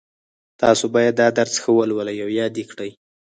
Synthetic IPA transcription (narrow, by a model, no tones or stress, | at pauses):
t̪ɑsobɑjad̪ːɑd̪aɾzxəwəlwələjawjɑd̪ekɽəj